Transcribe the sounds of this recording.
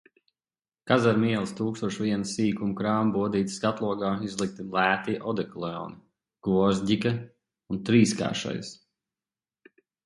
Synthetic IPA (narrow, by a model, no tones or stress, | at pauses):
kazaɾmiɛlˠst̪uːkst̪uɔʃviɛnsiːkumkɾaːmbuɔd̪iːt̪skat̪lˠuɔɡaːizlˠik̚t̪ilˠæːt̪iʔɔd̪ɛklˠɛɔ̰ːni | ɡ̥uɔɾzdika | unt̪ɾiːska̰ːʃa̰j̰s